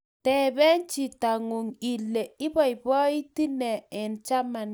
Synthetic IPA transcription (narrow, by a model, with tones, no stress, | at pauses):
tɛ˨bɛ˦nt͡ʃi˨ta˨ŋu˨ŋi˨le˨ɪ˦bɔ˨jbɔ˦i˦ti˦nɛ˨ɛ˨nt͡ʃa˦ma˨n